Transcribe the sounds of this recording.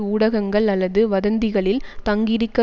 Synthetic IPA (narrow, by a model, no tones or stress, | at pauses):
uːɽɐɣɐŋɡɐɭɐlːɐðɯʋɐðɐnd̪ɪɣɐɭɪlt̪ɐŋɡɪɾɪkːɐ